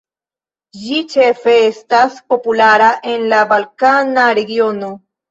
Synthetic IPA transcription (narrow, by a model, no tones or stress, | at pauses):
d͡ʒit͡ʃe̞fe̞estaspo̞pulaɾaʔe̞nlabalkanaɾe̞ɡio̞no̞